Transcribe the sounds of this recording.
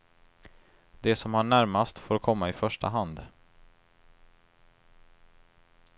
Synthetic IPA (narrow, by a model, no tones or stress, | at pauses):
d̪ɛsɔmhaɳæɾmast̪foːɾkʰɔmːaɪfœʂʈa̰ɦand̪